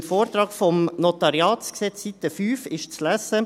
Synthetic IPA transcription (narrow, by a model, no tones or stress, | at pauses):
foːɾt̪ɾɑːkfɔmnot̪ɑɾjɑːtsksɛt͡ssit̪ːəfyːfɪʃt͡slæsə